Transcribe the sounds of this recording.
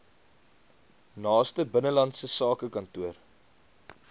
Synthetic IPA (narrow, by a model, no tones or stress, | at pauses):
nɑːstəbənəlɐntsəsɑːkəkɐntuər